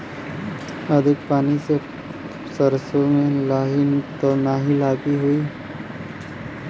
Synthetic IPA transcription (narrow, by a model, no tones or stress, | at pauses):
əd̪ʱɪkpaːnise | səɾsomẽlaːɦint̪onaːɦilaːɡiɦoiː